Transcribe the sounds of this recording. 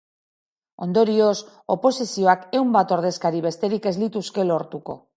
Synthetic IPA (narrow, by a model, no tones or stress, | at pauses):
o̞nd̪o̞ɾio̞s | o̞po̞sisio̞ake̞wmbat̪o̞ɾðe̞skaɾiβe̞st̪e̞ɾike̞zlit̪uske̞lo̞ɾt̪uko̞̰